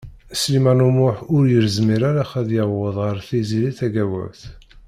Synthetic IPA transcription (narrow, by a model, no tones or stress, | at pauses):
slimænumʊħʊɾjəɾzmiɾaɾaχæðjəwːəðˤʁəɾθiziliθæɡæwə̰vθ